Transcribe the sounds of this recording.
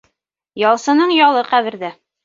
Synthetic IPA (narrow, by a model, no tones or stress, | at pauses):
jɒlˠsɤ̆nɤɴjɒlˠɤqæβɘ̆ɾd̪æ